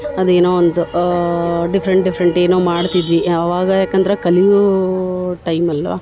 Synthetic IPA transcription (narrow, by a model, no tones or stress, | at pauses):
ɐd̪eːnoːond̪u | ɖipʰɐɾeɳʈɖifʰɐɾeɳʈeːnoːmaːɽt̪id̪ʋiɐʋaːɡɐjaːkɐnd̪ɐɾɐkɐliju | ʈɐjmɐlʋa̰ː